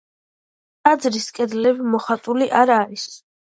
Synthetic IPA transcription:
ad̪zɾiskʼɛd̪lɛbmɔχat̪ʼuliʔaɾaɾis

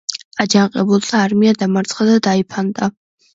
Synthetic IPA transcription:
ad͡ʒaɴqʼɛbultʰʼaːrmijad̪amart͡sʼχad̪adaːjpʰant̪ʼa

